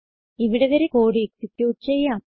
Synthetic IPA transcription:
iʋiɽeʋɐɾekoːɽieksikʲjuːʈːɨt͡ɕe̞jːaːm

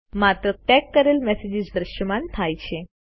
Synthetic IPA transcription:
mat̪ɾəʈ̪ɛkːəɾelmɛsed͡ʑid͡zd̪ɾəɕəmant̪ʰajt͡ɕʰe

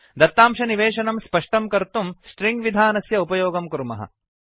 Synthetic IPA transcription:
d̪ɐt̪ːaːmʃɐniʋeːʂɐnɐmspɐʂʈɐmkɐɾt̪umsʈɾiŋɡʋid̪ʱaːnɐsjɐupɐjoːɡɐmkuɾmɐɦɐ̰

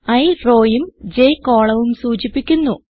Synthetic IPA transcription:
ɐjro̞ːjumd͡ʑejko̞ːɭɐʋumsuːt͡ɕipːikʲːunːu

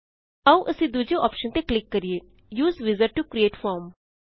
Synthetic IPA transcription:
əũʔəsĩːd̪uːd͡ʒeʔɔːpʃənt̪eklɪkːəɾieː | juːzʋɪzəɾʈukɾieːʈfɔːɾm

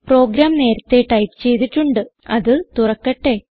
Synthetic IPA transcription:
pro̞ːɡɾaːmne̞ːɾɐt̪ːe̞ʈɐjpt͡ɕe̞jt̪iʈːuɳɖɨɐðɨt̪urɐkːɐʈːe̞

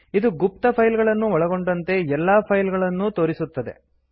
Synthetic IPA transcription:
id̪uɡup̚t̪ɐpʰɐjlɡɐɭɐnːuɔɭɐɡo̞ɳɖɐnt̪e̞ɛlːaːpʰɐjlɡɐɭɐnːut̪o̞ːɾisut̪ːɐd̪e̞̰

